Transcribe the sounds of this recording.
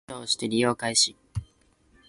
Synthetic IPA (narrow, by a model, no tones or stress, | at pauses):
oːoɕi̥t̪e̞ɾʲijo̞ːkaiɕi